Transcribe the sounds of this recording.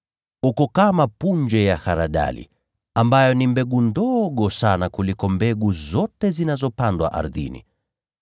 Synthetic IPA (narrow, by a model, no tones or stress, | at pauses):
hukɔkamapund͡ʒɛjaxaɾaɗa̰lḭ | ambajɔnimbɛɡundɔɠɔsanakulikɔmbɛɡuzɔtɛzinazɔpandwa̰ʔa̰ɾðḭnḭ